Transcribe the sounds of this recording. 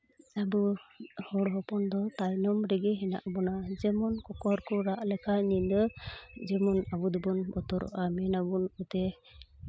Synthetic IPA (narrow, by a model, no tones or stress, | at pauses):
abuhɔɽɦɔpɔnd̪ɔt̪ajnɔmɾɛɡɛɦɛna̰ʔbɔnad͡ʒɛmɔnkɔkɔɾkɔɾaʔlɛkʰanind̪ɔd͡ʒɛmɔnabud̪ɔbɔnbɔt̪ɔɾɔ̰ʔamɛnabunut̪ɛ